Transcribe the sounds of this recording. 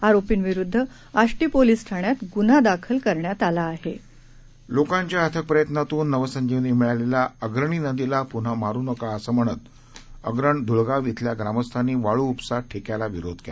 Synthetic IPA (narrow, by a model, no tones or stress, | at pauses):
aɾopiːnʋiɾud̪ʱːə | aʂʈiːpoliːsʈʰaɳjat̪ɡun̤ad̪akʰəlkəɾɳjat̪alaːɦe | lokãɲt͡ɕjaɦət̪ʰək̚pɾəjət̪nat̪uːnːəʋəsəɲd͡ʑiʋniːmiɭalelaəɡɾəɳ̃inəd̪ilapun̤amaɾuːnəkaəsəm̤əɽ̃ət̪ | əɡɾəɳd̪ʱuɭɡaʋit̪ʰljaɡɾaməst̪ʰaniːʋaɭuːpsaʈʰːekjalaʋiɾod̪ʱkela